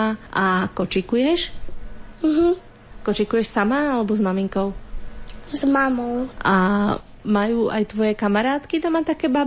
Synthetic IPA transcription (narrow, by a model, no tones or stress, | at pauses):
aʔakɔt͡ʃikujɛʃ̩ | ɦ̩ | kɔt͡ʃikujɛʃsamaalɛbɔzmamiŋkɔʊ | zmamɔʊʔa | majuːʔajt̪ʋɔjɛkamaɾaːt̪kit̪amaːt̪akɛːba